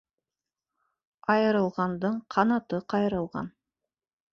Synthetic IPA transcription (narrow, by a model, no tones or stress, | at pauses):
ɑjəɾəlˠʁɑnd̪əɴqʰɑnɑt̪əqʰɑjɾəlˠʁɑ̰n